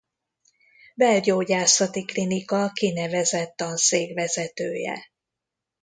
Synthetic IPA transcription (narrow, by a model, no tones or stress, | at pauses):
bɛlɟoːɟaːsɒt̪iklinikɒkinɛvɛzɛt̪ːɒnseːɡvɛzɛt̪øːjɛ̰